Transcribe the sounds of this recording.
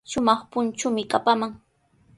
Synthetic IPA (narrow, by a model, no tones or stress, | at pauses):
ʃʊmɑχpʊnt͡ʃʊmɪkʼapamaŋ